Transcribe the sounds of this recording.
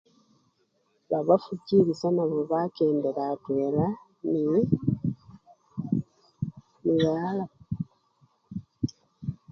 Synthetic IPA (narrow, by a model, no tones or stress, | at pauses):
βaβafuɟiːɾisanaβoβakeːndeɾatweːɾa | ni | miɣala